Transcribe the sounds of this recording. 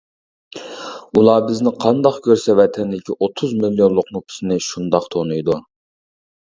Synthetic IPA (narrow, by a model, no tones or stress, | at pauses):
ulˠɑːbɪznɪqʰɑnd̪ɑqkʲøɾsɛvɛt̪ʰɛnd̪ɪkʲʰiʔot̪ʰuzmiljonlˠʊqnupʰɪ̥sɨnɪʃund̪ɑqt̪ʰonujd̪u